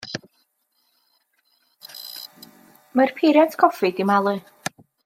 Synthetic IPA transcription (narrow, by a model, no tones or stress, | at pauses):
mərpʰiɾjantʰkʰɔfidimalˠɨ